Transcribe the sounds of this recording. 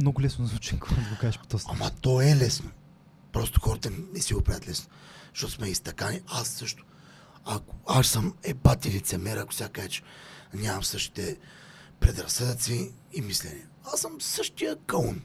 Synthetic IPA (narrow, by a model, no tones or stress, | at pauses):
mnoɡʊlɛsnozvut͡ʃɛŋkod̪əɡokaʃpt̪ɔsamɐt̪oɛlɛsno | pɾɔst̪ʊ̥xɔɾɐt̪ənɛsiɡopɾɛd̪ət̪lɛsno | ʃt̪ot̪ʊ̥smɛist̪ɐkaniasːɤʃt̪ʊ̥ | akʊaʃsəmɛbat̪ilit̪sɛmɛɾɐkʊ̥sʲakkɛt͡ʃɛ̥nʲamɐmsɤʃt̪i̥t̪ɛ | pɾɛd̪ɾɐsəd̪ɐt̪siː | mislɛnʲiɐ | asəmsəʃt̪ijəkəlˠun